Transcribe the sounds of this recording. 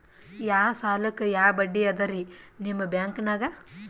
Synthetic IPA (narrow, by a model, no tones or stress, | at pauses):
jaːsaːlɐkːejaːbɐɖːijɐd̪ɐɾinimːɐbjaːŋknaːɡɐ